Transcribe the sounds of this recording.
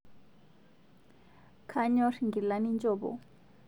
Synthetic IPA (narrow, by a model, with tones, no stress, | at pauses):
kʰaɲɔ˦rŋɡi˨lani˦nt͡ʃʼɔː˨ɓɔ̰˨